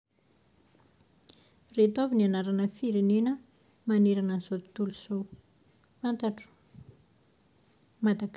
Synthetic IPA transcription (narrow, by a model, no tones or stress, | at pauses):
ret̪avinianaɾanəfiɾenenə | maneɾanənzot̪uluz̥o | fant̪aʈ͡ʂu̥ | mad̪aɡ